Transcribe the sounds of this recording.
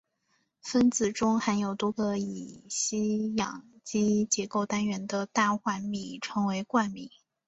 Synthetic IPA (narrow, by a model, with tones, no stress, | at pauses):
fə˥nt͡sɹ̩˨˩ʈ͡ʂʊ˥ŋxa˧˥njo˨˩ʊt̪wɔ˥ɡə˧i˨˩ɕi˥jɑ̰˨˩ŋt͡ɕi˥t͡ɕjɛ˧˥ko˥˩ʊt̪a˥nɥɛ˧˥nd̪ə˧t̪a˥˧xwa˥˧˩nmi˨˥˩ʈ͡ʂʰɤ˧˥ŋwe˧˥ɪkwa˥˩nmi˨˩˦